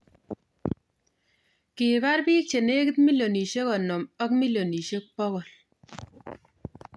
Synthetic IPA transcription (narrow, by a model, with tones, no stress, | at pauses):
ki˨ba˦ɾbiː˦k̚t͡ʃe˨ne˦ki˦t̪̚mi˦lo˨ni˨ʃe˦kɔ˨nɔ˨mɔ˦k̚mi˦lo˨ni˨ʃe˦k̚pɔ˦ɣɔ˨l